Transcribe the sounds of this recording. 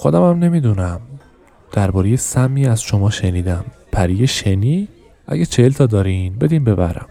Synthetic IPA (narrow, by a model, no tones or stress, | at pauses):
xod̪æmæmne̞miːd̪uːnæm | d̪̥æɾbɒːɾejesæmːiːæzʃo̞mɒːʃe̞niːd̪æm | pʰæɾijeʃeniː | ʔæ̰ɡæt͡ʃʰehelt̪ʰɒːd̪ɒːɾinbe̞d̪iːnbe̞bæ̰ɾæ̰m